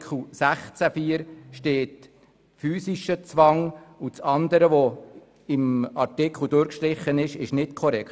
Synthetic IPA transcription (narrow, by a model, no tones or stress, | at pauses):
kl̩sæχt͡sæfiːəɾʃteːt | fyːsiʃət͡sʋɑŋut͡sɑnd̪əɾəʋɔ | ɪmɑɾtɪkʰl̩ˠdʊːɾkʃtɾɪχənɪʃɪʃnɪtkʰɔɾɛkt